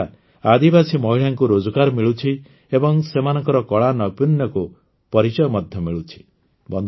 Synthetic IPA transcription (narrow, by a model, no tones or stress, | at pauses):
ad̪ibasimɔɦiɭaŋkuɾod͡ʒɔkaɾɔmiɭut͡ʃʰi | ebɔŋsemanɔŋkɔɾɔkɔɭanɔpinjɔku | pɔɾit͡ʃɔjɔmɔd̪ʱjɔmiɭut͡ʃʰi̥ | bɔnd̪